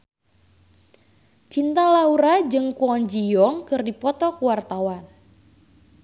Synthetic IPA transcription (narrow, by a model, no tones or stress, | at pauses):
t͡ʃint̪alauɾad͡ʒɨŋkuɔɲd͡ʒijɔŋkɨrdipɔt̪ɔkuwart̪awan